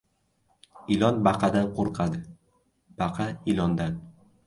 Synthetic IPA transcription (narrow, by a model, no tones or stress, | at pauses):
ɪlˠɒnbɑqʰɑd̪anqʰoɾqʰɑd̪ɪ | b̥ɑqʰɑɪlˠɒnd̪an